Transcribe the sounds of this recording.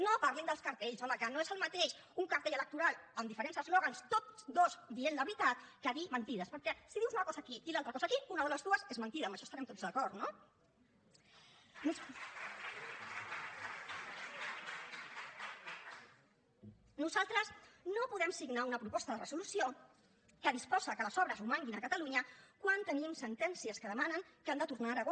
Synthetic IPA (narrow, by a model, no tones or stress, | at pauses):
nopaɾlend̪əlˠskəɾt̪eʎzɔməkanoezəlˠmət̪eʃuŋkəɾt̪eʎələk̚t̪uɾalˠəmd̪ifəɾensəzlɔɣanst̪ot̪d̪ozd̪ienləβɾit̪at̪̚kaðimənt̪iðəspəɾkɛsiðiwzunəkɔzaːkiilalt̪ɾəkɔsakiunəðələzðuəzezmənt̪iðɐəmbəʃɔst̪aɾɛmt̪ozðəkɔɾt̪no | nu | nuzalˠt̪ɾəsnopuðɛmsiɡnaunəpɾupɔst̪əðərəsulusio | kəðispɔzəkələzɔβɾəzumaŋɡinəkət̪aluɲəkwant̪ənimsənt̪ɛnsiəskəðəmanəŋkamd̪ət̪uɾnaɾəɣ